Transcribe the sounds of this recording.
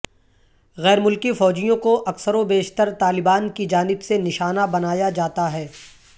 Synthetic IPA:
ɣɛːɾmʊlkifɔːd͡ʒijõkoʔɐksəɾõbeːʃt̪əɾt̪aːlɪbaːnkid͡ʒaːnɪbsenɪʃaːnabɐnaːjad͡ʒaːt̪aɦɛː

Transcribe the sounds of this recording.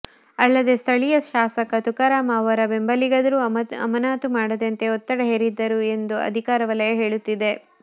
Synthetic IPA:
ɐlːɐd̪e̞st̪ʰɐɭijɐʃaːsɐkɐt̪ukɐɾaːmaːʋɐɾɐbembɐliɡɐd̪ɐɾuːɐ̰mɐnaːt̪umaːɽɐd̪ɐnt̪e̞ɔt̪ːɐɽɐɦeːɾid̪ːɐɾue̞nd̪uɐ̰d̪ʱikaːɾɐʋɐlɐjɐɦe̞ːɭut̪ːid̪e̞

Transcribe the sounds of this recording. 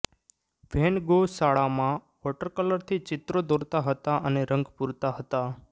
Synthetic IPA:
ʋʱenɡosaɭamã | ʋɔʈəɾkələɾt̪ʰit͡ʃɪt̪ɾod̪oɾt̪aɦət̪aʔəneɾəŋɡpuɾt̪aɦət̪a

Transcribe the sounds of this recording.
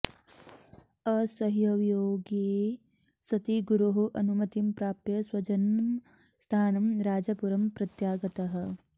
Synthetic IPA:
ɐsɐɦjɐʋjoːɡi | sɐt̪iɡuɾuɦuʔɐnumɐt̪impɾaːp̚jɐswɐd͡ʒɐnm | st̪ʰaːnɐmɾaːd͡ʒɐpuɾɐmpɾɐt̪jaːɡɐt̪ɐɦɐ̆

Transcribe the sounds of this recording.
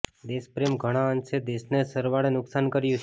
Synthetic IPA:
d̪espɾemɡʱəɽ̃ãənsed̪esnesəɾʋaɽenʊksankəɾjũt͡ʃʰ

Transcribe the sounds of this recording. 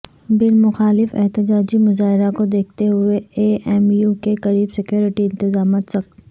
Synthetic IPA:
bɪlmʊxaːlɪfɛ̰ɦt̪ɪd͡ʒaːd͡ʒimʊzaːɦɪɾakod̪eːk̚ʰt̪eɦʊeeːɛːmjuːkekɐɾiːbsɪkjoːɾɪʈiɪ̃nt̪ɪzaːmaːt̪sɐk̚

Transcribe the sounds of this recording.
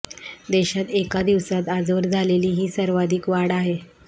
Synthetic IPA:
d̪eɕat̪ekad̪iʋsat̪ad͡zʋəɾd͡zʱaleliːɦiːsəɾʋad̪ʱiːkʋaɽaɦe

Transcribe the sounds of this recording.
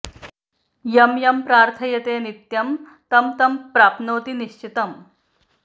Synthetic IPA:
jɐmjɐmpɾaːɾt̪ʰɐjɐt̪eːnit̪jɐm | t̪ɐmt̪ɐmpɾaːpnoːt̪iniʃt͡ʃit̪ɐm

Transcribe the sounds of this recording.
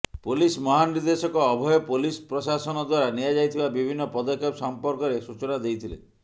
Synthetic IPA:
pulismɔɦaniɾd̪esɔkɔːbʱɔjɔpulispɾɔsasɔnɔd̪waɾaniad͡ʒajt̪ʰibabibʱinːɔpɔd̪ɔkʰepsɔmpɔɾkɔɾesut͡ʃɔnad̪ejt̪ʰilḛ

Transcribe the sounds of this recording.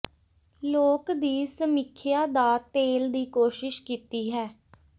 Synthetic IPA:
loːkd̪iːsəmɪkʰjaːd̪aːt̪eːld̪iːkoːʃɪʃkiːt̪iːɦɛː

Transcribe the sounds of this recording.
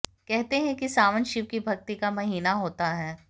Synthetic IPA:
kɛɦt̪eɦɛ̃kisaːʋənʃɪʋkibʱɐk̚t̪ikamɐɦiːnaɦoːt̪aɦɛː

